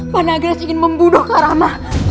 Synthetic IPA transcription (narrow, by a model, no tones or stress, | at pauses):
panaɡɾɛsiŋɪnməmbudʊhkaɾamah